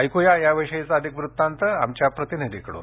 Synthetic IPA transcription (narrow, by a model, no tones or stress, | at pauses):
ajkujajaʋəʂəjit͡saəd̪ʱikʋɾut̪ːant̪əa̰mt͡ɕjapɾət̪inid̪ʱikəɽo̰